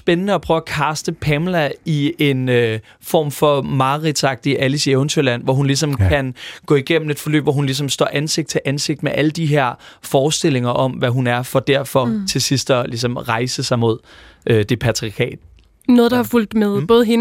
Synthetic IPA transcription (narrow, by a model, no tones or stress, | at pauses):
sb̥enənəɒpʰʁœʊækʰɑ̈ːsd̥əpʰɛmlæie̝nø | fɒ̰ːmfɒ̽mɑ̈ːʁid̥sɑ̈ɡ̥̚d̥iʔælisieʊnt͡sʰøelæn̰ʋɒɦunlisɒ̽mkʰænɡ̥ɔ̰̽ːiɡ̥em̰m̩e̝d̥fɒ̽lø̰ːb̥ʋɒɦunlis̬ɒ̽msd̥ɒ̰ːʔænse̝ɡ̥d̥t͡sʰe̝ʔænse̝ɡ̥d̥meʔæləd̥iɦeɐ̰fɒːsd̥e̝l̰e̝ŋɐʔɒ̽mʋæɦunæɐfɒ̽d̥æɐ̰fɒ̽t͡sʰe̝lsisd̥ɒlis̬ɒ̽mʁɑ̈ɪsəsɑ̈ɪmo̝ð̞̰ˠ | ʔød̥e̝pʰæt͡sʰʁiɐkʰɛ̰ːd̥ | nɔːð̞̩ˠd̥ɑhɑ̈ful̰d̥meðˠb̥ɔ̽ːð̩ˠhen